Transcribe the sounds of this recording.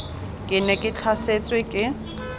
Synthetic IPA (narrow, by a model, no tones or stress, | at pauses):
kʼɪnɛkʼɪt͡ɬʰaset͡sʼwɪkʼɪ